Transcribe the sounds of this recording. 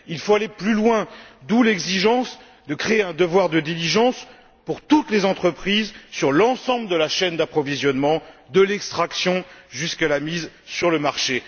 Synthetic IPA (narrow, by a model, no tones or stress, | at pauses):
ilfoaleplylwɛ̃d̪ulɛɡziʒɑ̃s | d̪əkχeːɛ̃d̪əvwaʁd̪əd̪iliʒɑ̃s | puʁt̪ut̪lezɑ̃t̪χəpχizsyʁlɑ̃sɑ̃bləd̪əlaʃɛnd̪apχɔvizjɔnmɑ̃d̪əlɛkst̪χaksjɔ̃ʒyskalamizsyʁləmaʁʃe